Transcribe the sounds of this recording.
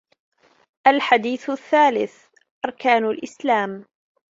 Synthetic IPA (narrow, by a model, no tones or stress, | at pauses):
ʔalħad̪iːθθːaːlɪθ | ʔɑɾˤkaːnalʔɪslaːm